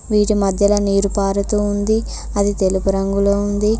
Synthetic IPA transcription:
ʋiːʈimɐd̪ʱjɐlɐniːɾupaːɾut̪uːnd̪i | ɐd̪it̪e̞lupuɾɐŋɡuloːund̪i

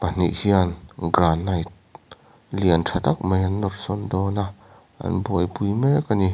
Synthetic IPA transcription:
pan̥ḭʔhianɡranːɐjt̚ | liəntʰat̪ak̚mejɐnːɔt̚sɔndɔnaʔ | ʔɐ̰nbɔjpujmekani

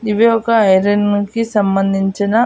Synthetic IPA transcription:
iʋiɔkɐɐjɾinkisɐmbɐnd̪ʱiɲt͡ʃinɐ

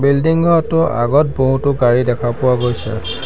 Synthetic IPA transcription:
bildiŋɡʱɔɔtʊʔa̰ɡɔt̚boɦutʊɡaɹidɛkʰapʊwaɡojsɛ̰

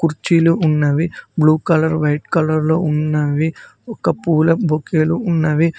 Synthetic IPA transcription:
kuɾt͡ʃiluʔːnːɐʋibluːkɐlɐɾʋɐjʈkɐlɐɾlo̰ːunːɐʋiɔkɐpuːlɐbʱokeːluːnːɐʋi

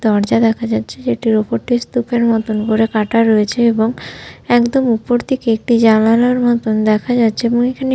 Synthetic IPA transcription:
d̪ɔɾd͡ʑad̪ɛkʰad͡ʑatːɕʰed͡ʑeʈiɾopoɾʈist̪upʰeɾmɔt̪onkoɾekaʈaɾːoet͡ɕʰeeboŋɛkd̪omupoɾt̪ʰekeek̚ʈid͡ʑalaloeɾmɔt̪ond̪ɛkʰad͡ʑatːɕʰeeboŋekʰane

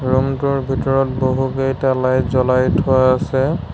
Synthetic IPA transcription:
ɹɔmtuɹbʱitɔɹɔt̚boɦukejtalajzɔlajtʰɔaasɛ

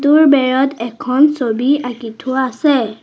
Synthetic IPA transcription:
tʊɹbɛɹɔtɛkʰɔnsobiakitʰʊaːsɛ

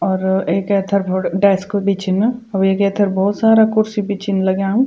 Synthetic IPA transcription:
ɔːɾeːkɛːt̪ʰəɾpʰoɽɖɛːskbiːt͡ʃinmẽɐbeːkɛːt̪ʰəɾbɔːt̪saːɾakʊɾsibiːt͡ʃʰinlɐɡãm

